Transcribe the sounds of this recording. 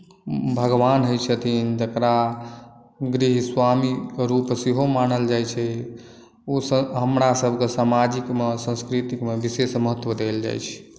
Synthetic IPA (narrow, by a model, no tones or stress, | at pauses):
bʱəɡʋanɦojt͡ʃʰət̪ʰind͡ʒəkɾa | ɡɾiɦswamiɾupseɦomanəld͡ʒajt͡ʃʰɛ | osɦəmɾasəbʱkesamad͡ʒikmesə̃skɾit̪ikmebisesməɦət̪ːwəd̪eld͡ʒa̰jt͡ʃʰɛ̥